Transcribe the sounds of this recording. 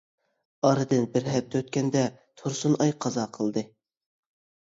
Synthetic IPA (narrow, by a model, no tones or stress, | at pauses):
ɑɾɨd̪ɨnbɪɾɦɛp̚t̪ʰøt̪kʲɛnd̪ɛt̪ʰoɾsunɑjqʰɑzɑqʰəlˠd̪ɨ